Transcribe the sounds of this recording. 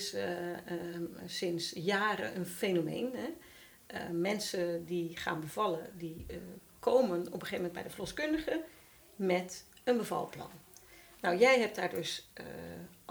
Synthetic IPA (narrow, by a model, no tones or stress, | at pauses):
s | sɪnsjaːɾə̰ʔənfeːnomḛːnɦɛ | mɛnsədiχa̰ːnbəvɑlˠədi | kʰoːmənɔpəχeːvəmɛndbɛ̰jdəflɔskøndəɣə | mɛt | ənbəvɑ̰lˠplɑ̰nː | ɔwjɛjɦɛp̚t̚daːɹdøs